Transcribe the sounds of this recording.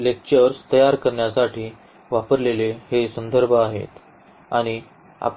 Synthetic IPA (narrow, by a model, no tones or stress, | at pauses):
lek̚t͡ɕəɾst̪əjaɾkəɾɳjasaʈʰiː | ʋapəɾlelehesənd̪ʱəɾbʱəaɦḛt̪ | a̰ɽ̃i | a̰p